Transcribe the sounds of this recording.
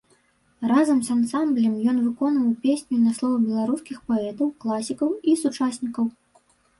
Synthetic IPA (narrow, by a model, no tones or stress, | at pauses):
razɐmsansamblʲɛmjɔn̪vɨkɔnvɐwpʲesʲnʲunɐslˠɔvɐbʲɛlˠaɾuskʲixpɔɛt̪ɐwklˠasʲikɐwisut͡ʂasʲnʲikɐw